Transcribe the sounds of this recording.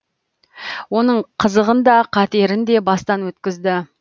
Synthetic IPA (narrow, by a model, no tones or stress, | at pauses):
wo̞nəɴqʰəzəʁənd̪ɑqʰɑt̪eɾɪnd̪e̞bɑst̪ɑnwɵt̪kʲɪzd̪ɪ